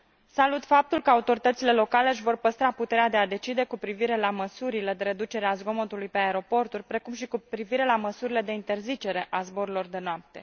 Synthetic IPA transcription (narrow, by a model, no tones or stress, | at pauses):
salut̪fap̚t̪ulkəaut̪o̞ɾit̪ət̪sile̞lo̞kale̞ʃ̬vo̞rpəst̪ɾaput̪e̞ɾead̪e̞ad̪e̞t͡ʃid̪e̞kupɾiviɾe̞laməsuɾile̞d̪e̞ɾe̞d̪ut͡ʃe̞ɾeazɡo̞mot̪ulujpe̞aeɾo̞po̞rt̪urʲpɾe̞kumʃikupɾiviɾe̞laməsuɾile̞d̪e̞int̪e̞rzit͡ʃe̞ɾe̞ʔazbo̞ɾulo̞rd̪e̞noap̚t̪e̞̰